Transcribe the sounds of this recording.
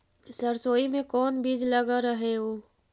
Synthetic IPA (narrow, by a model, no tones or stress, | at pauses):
səɾsoːimẽkɔːnbiːd͡ʒləɡaɾəɦeoː